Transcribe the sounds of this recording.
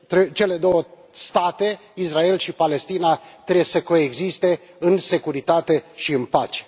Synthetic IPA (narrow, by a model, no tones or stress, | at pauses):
t̪ɾet͡ʃe̞le̞d̪o̞wə | st̪at̪e̞ | israe̞lʃipale̞st̪inat̪ɾebesəko̞eɡzist̪e̞ | ɨnse̞kuɾit̪at̪e̞ʃiɨnpat͡ʃe̥